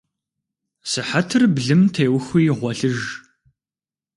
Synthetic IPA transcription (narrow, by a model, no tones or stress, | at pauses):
sɨħatʰɨrbɮɨmtʰeːwxʷiːʁʷɔɬɨʒ